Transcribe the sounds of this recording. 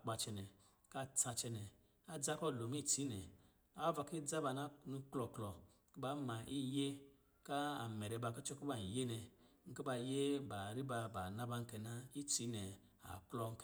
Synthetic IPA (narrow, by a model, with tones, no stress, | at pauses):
k͡pa˧t͡ʃɛ˧nɛ˨ | ka˦t͡sa˧t͡ʃɛ˧nɛ˨ | a˦d͡za˦kɔ˦˨lo˨m˦i˦˨t͡si˨˦nɛ˨ | a˨˦va˧ki˦d͡za˦ba˧˨na˦nu˧klɔ˧klɔ˨˦ | ki˦ba˨˦ma˨ʔi˦je˦ | ka˦a˨mɛ˨ɾɛ˧˨ba˧˨kɔ˦t͡ʃɔ˦ki˦ba˨n˨je˦nɛ˨ŋ̩˦ki˦ba˧˨je˦ba˨ɾi˦ba˧ba˨na˧ba˧ŋ̩˦kɛ˧na˦i˦t͡si˨˦nɛ˨ | a̰˨klɔ˧ŋ̩˦k